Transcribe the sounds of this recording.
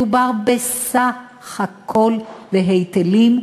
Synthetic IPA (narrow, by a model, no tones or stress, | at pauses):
ubaʁbesa | χhakʰo̞lveɦejt̪elim